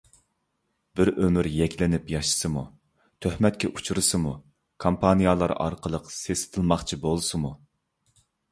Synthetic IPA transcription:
bɪɾømyɾjɛkʲlɪnɪpjɑʃɨ̥sɨmu | t̪ʰøhmɛt̪̚kʲɛʔut͡ʃʰuɾɨsɨmu | kʰompʰɑnijɑlˠɑ̰ɾɑ̰ɾqəlˠəqsesɪ̥t̪ʰɨlˠmɑχt͡ʃʰibolˠɨsɨmu

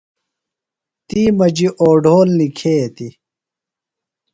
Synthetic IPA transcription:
t̪iːmɐd͡ʑiʔoːɖoːlnikʰeːt̪i

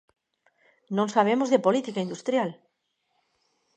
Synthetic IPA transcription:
nõŋsaβ̞emozðepolit̪ikaind̪ust̪ɾjal

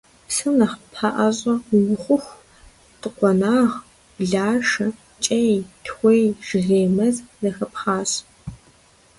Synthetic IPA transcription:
psɨnɐχpʰaʔɐɕʼɐʊwɨχʷʊxʷ | tʼɨqʷɔnaːʁ | bɮaːʂɐ | t͡ʃʼɐjtʰxʷejʒɨreːmɐzzɐxɐpχɑːɕ

